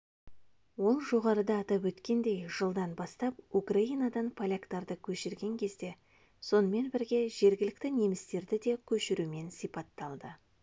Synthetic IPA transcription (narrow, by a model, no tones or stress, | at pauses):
wo̞lˠʒo̞ʁɑɾəd̪ɑːt̪ɑpwɵt̪kʲe̞nd̪e̞jʒ̥əlˠd̪ɑnbɑst̪ɑp̚ukraijnad̪ɑnpʰolʲakt̪ɑɾd̪əkʲʰɵʃɪɾɡʲe̞ŋkʲʰe̞zd̪e̞ | so̞nəme̞nbɪɾɡʲe̞ʒe̞ɾɡʲɪlɪkt̪ɪne̞mɪst̪e̞ɾd̪ɪd̪e̞kʲʰɵʃɪɾume̞nsijpɑt̪ːɑlˠd̪ə